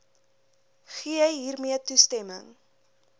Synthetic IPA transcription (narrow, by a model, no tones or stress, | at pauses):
χiəəjɦiːrmiətustɛməŋ